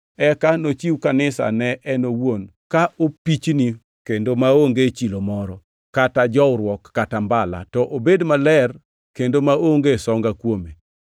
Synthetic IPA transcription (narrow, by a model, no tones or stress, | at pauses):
ɛkanot͡ʃiwkanɪsa̰nɛʔɛnowonkaʔopit͡ʃni | kendomaoŋɡet͡ʃilomɔɾɔ | katad͡ʒɔwɾwɔkːatambala̰tɔʔobedmalɛr | kendomaoŋɡesɔŋɡakwome